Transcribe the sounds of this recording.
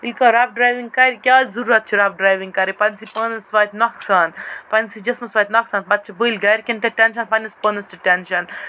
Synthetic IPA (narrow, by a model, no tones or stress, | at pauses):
ilʲkɐɾaːp̚ɖɾaːjʋiŋɡkɐɾikʲjaːzɐɾuɾɐt̪̚t͡ʃʰiɾapɖɾaːjʋiŋɡkɐɾipɐnsipəːnɐsʋaːt̪ʲnɐksaːnpɐnsid͡ʒɐsmɐsʋaːt̪ʲnɐksaːnbɐt̪̚ːt͡ʃʰibəilʲɡɐɾʲikʲɐnʈɐʈɛnʃɐnpanɐspənɐsʈiʈɛnʃɐn